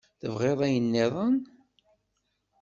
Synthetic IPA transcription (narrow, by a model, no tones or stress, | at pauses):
θəvʁeðˤæjənːeðˤən